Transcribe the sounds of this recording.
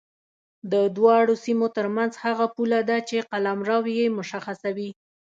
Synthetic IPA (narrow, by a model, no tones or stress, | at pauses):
d̪əd̪wɑɽosimot̪əɾmanzhaɣapulad̪at͡ʃeqalamɾɑwjemʊʃaxasawi